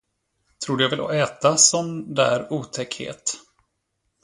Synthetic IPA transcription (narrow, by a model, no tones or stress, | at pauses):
t̪ʰɾuːɖ̪ɵjavɪlɔ̰ɛːt̪asɔmd̪æ̰ːɾuːt̪ʰɛkhḛːt̪